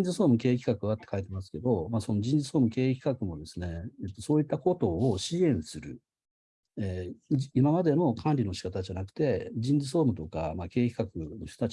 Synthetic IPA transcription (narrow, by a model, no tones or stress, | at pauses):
d͡zɨso̞ːmɯ̟ke̞ːkʲi̥kakɯ̟βat̪ːekait̪e̞masɨ̥ke̞d̪o̞maso̞no̞d͡ʑĩnd͡zɨso̞ːmɯ̟ke̞ːkʲi̥kakɯ̟mo̞d̪esɨne̞et̪ːo̞so̞ːit̪ːako̞t̪o̞ːɕiẽ̞ɰ̃sɨɾɯ̟̰ | eimamad̪e̞no̞kʰãnɾʲino̞ɕi̥kat̪aʑanakɯ̟̥t̪e̞d͡ʑĩnzɨs̬o̞ːmɯ̟t̪o̞ka̰make̞ːkʲi̥kakɯ̟noçt̪o̞t̪at͡ɕ